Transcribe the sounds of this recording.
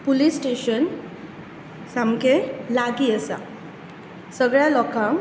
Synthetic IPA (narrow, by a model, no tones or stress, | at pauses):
pulisːʈeɕən | samkelaɡiəsa̰ | səɡɭjalɔkʰãm